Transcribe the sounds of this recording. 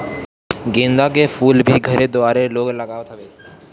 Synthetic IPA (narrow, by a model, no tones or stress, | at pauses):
ɡẽnd̪ak̬efʰuːlbʱiɡʱəɾed̪oʋaɾeloːɡləɡaʋt̪ʰəʋeː